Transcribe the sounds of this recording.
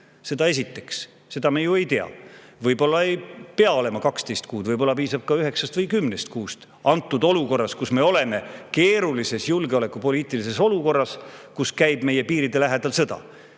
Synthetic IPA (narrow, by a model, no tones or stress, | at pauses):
se̞d̪ɑe̞s̬it̪ːe̞̥ks | se̞d̪̥ɑmejue̞jt̪e̞ɑ̰vɤjbo̞lːɑejpeɑo̞le̞mɑkɑkst̪e̞jst̪kuːd̪vɤjbo̞lːɑpiːsɑb̥̚kɑyɦe̞ksɑst̪vɤjkymːnest̪̚kuːst̪ | ɑnt̪ːˑud̪o̞luko̞rːɑskusme̞o̞le̞me̞ke̞ːɾulise̞sjulɡeo̞le̞kːupo̞liːt̪ːˑilis̬e̞so̞luko̞rːɑskuskæjb̥meje̞piːɾid̪e̞læɦed̪̥ɑlsɤ̞d̪̥ɑ̰